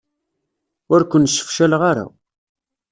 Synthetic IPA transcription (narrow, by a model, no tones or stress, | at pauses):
ʊɾkʷənsə̥fʃælʁaɾa̰